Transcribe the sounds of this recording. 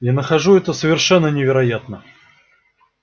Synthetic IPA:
janəxɐʐuɛt̪əsəvʲɪrʂɛnːənʲɪvʲɪɾɐjat̪nə

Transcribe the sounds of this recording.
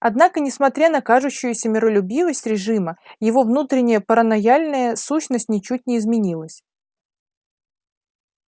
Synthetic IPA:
ɐd̪nakənʲɪsmɐt̪ɾʲanɐkaʐʊɕːʊjʊsʲəmʲɪɾəlʲʊbʲivəsʲtʲɾʲɪʐɨməjɪvo̞vnut̪ɾʲɪnʲɪjəpəɾənɐjalʲnəjəsuɕnəsʲtʲnʲɪt͡ɕut̚ʲnʲɪːzmʲɪnʲilˠəsʲ

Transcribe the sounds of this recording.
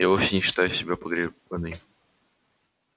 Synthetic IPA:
javofsʲɪnʲɪɕɪ̥t̪ajʊsʲɪbʲapəɡɾʲɪbənɨj

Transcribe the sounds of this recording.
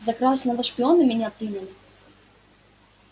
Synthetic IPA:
zɐkɾasʲnɐvəʂpʲɪonɨmʲɪnʲapɾʲinʲɪlʲɪ

